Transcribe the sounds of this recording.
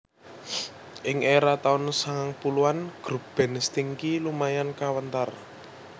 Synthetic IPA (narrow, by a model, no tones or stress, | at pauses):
ʔɪŋʔeɾat̪aʊnsaŋaŋpuluanɡ̥ɾub̥ɛ̤nst̪iŋkilumajankawənt̪ar